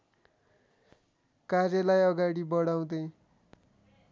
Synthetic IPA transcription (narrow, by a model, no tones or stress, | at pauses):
karjʌlajʌɡaɽibʌɽaw̃d̪ej